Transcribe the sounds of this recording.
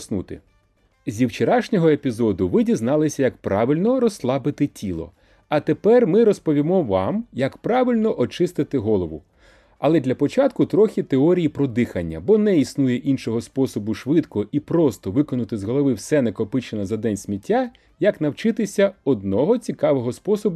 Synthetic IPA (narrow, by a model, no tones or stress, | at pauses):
snṵt̪ɪ̰ | zʲiwt͡ʃeɾɑʃnʲɔɦɔepʲizɔd̪ʊʋɪdʲiznɑlˠɪsʲɐjɐkpɾɑʋʲilʲnɔɾɔslˠɑbɪt̪ɪtʲilˠɔ̰ | ɐt̪epɛrmɪɾɔspɔʋʲimɔʋɑmjɐkpɾɑʋʲilʲnɔʔɔt͡ʃɪst̪ɪt̪ɪɦɔlˠɔʋʊ | ɐlˠɛd̪lʲɐpɔt͡ʃɑt̪kʊt̪ɾɔxʲit̪eɔɾʲijipɾɔd̪ɪxɐnʲːɐ̰bɔnɛisnujɛʔinʃɔɦɔspɔsɔbʊʃʋɪt̪kɔʔipɾɔst̪ɔʋɪkɔnʊt̪ɪzɦɔlˠɔʋɪwsɛnɛkɔpɪt͡ʃenɐzɐd̪ɛnʲsʲmʲitʲʰːa | jɐknɐwt͡ʃɪt̪ɪsʲɐɔd̪̚nɔɦɔt͡sʲikɑʋɔɦɔspɔsɔbʊ